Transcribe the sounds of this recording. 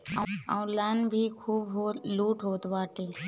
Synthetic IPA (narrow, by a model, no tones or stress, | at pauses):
a̰w̃lanbʱikʰuːbɦoluːʈɦoːt̪ʋaːʈeː